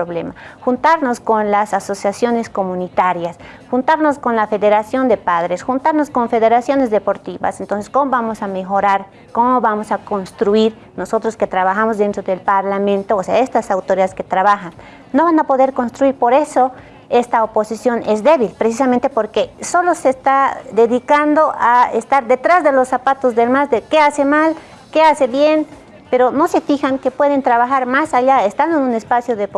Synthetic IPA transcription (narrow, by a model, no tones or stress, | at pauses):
ɾoβlḛmaxunt̪aɾno̞skonlasaso̞sjasjo̞ne̞sko̞mũnit̪aɾjas | xunt̪aɾno̞sko̞nlafe̞ðe̞ɾasjo̞nd̪e̞paðɾe̞sxunt̪aɾno̞sko̞ɱfe̞ðeɾasjo̞ne̞zðe̞po̞ɾt̪iβa̰sent̪o̞nsesko̞moβamo̞same̞xo̞ɾaɾ | ko̞moβamo̞sako̞nst̪ɾuiɾ | no̞so̞t̪ɾoske̞t̪ɾaβaxamozðe̞nt̪ɾo̞ðelpaɾlamẽ̞nt̪oːseaest̪asawt̪oɾiaðeske̞t̪ɾaβaxanː | o̞βanapo̞ðe̞ɾkonst̪ɾuiɾpoɾe̞so | est̪aoposisjo̞nezd̪eβilpɾesis̬amẽnt̪epoɾkesolosest̪ad̪eðikand̪oʔaest̪aɾd̪et̪ɾazðelosːapat̪ozðelmazd̪ekeasemal | keaseβjen | peɾono̞sefixaŋkepweð̞ent̪ɾaβaxaɾmasaʎaest̪and̪oenunespasjoðep